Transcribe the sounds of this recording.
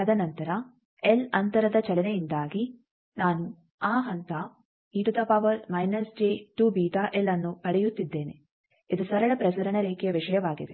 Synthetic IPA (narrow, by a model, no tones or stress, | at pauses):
ɐd̪ɐnɐnt̪ɐɾɐ | elɐnt̪ɐɾɐd̪ɐt͡ʃɐɭɐnejind̪aːɡi | naːnu | aːɦɐnt̪ɐ | iːʈud̪ɐpaːʋɐɾmɐjnɐsd͡ʒeːʈuːbiːʈ̪aʔelːɐnːuɐɽɛjut̪ːid̪ːe̞ːne̞ | id̪usɐɾɐɭɐpɾɐsɐɾɐɳɐɾeːkɛjɐʋiʂɐjɐʋaːɡid̪e̞